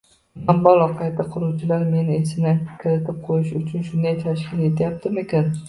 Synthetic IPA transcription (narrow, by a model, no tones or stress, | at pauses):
ambɒlˠɒqʰɑjt̪ʰaqʰʊlˠuwt͡ʃʰɪlaɾme̞nɪesɪnakʲʰɪɾɪt̪ʰɪp̚qʰojɪʃʊt͡ʃʰʊnʃʊnd̪ajt̪ʰaʃkʲɪle̞t̪ʰajap̚t̪ʰɪmekʲan